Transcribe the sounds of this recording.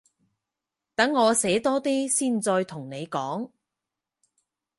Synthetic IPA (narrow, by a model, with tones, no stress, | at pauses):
t̪ɐ˨˥ŋːɔː˨˧sɛː˨˥t̪ɔː˥t̪iː˥siː˥˩nt͡sɔː˧jt̪ʰʊ˨˩ŋne˨˧jkɔː˨˥ŋ